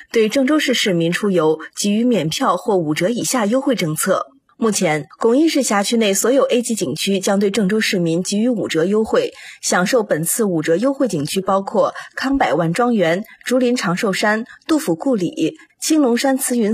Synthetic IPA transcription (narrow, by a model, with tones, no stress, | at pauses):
t̪we˥˧ɪʈ͡ʂɤ˥˩ŋʈ͡ʂo˥ʊʂɻ̩˥˧ʂɻ̩˥˩mi˧˥nʈ͡ʂʰu˥jo˧˥ʊt͡ɕi˧˥y˧˥mjɛ˨˩npʰjɑ˥˧ʊxwɔ˥˩u˨˩ʈ͡ʂɤ˧˥i˨˩ɕja˥˩jo˥ʊxwe˥˧ɪʈ͡ʂɤ˥˧ŋt͡sʰɤ˥˩ | mu˥˩t͡ɕʰjɛ˧˥nkʊ˥˩ŋi˥˧ʂɻ̩˥˩ɕja˧˥t͡ɕʰy˥ne˥˩ɪswɔ˧˥jo˨˩ʊe˥ɪt͡ɕi˧˥t͡ɕi˨˩ŋt͡ɕʰy˥t͡ɕjɑ˥ŋt̪we˥˧ɪʈ͡ʂɤ˥˩ŋʈ͡ʂo˥ʊʂɻ̩˥˩mi˧˥ŋt͡ɕi˧˥y˧˥u˨˩ʈ͡ʂɤ˧˥jo˥ʊxwe˥˩ɪɕjɑ˨˩ŋʂo˥˩ʊpə˨˩nt͡sʰɹ̩˥˩u˨˩ʈ͡ʂɤ˧˥jo˥ʊxwe˥˩ɪt͡ɕi˨˩ŋt͡ɕʰy˥pɑ˥ʊkʰwɔ˥˩kʰɑ˥ŋpa˨˩ɪwa˥nʈ͡ʂwɑ˥ŋɥɛ˧˥nʈ͡ʂu˧˥li˧˥nʈ͡ʂʰɑ˧˥ŋʂo˥˩ʊʂa˥nt̪u˥˩fu˧˩ku˥˩lḭ˨˩˦t͡ɕʰi˥ŋlʊ˧˥ŋʂa˥nt͡sʰɹ̩˥y˧˥n